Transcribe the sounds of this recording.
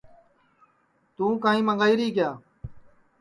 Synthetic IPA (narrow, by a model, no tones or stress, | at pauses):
t̪ũːkãːĩːmə̃ŋɡaːiːɾiːkjaː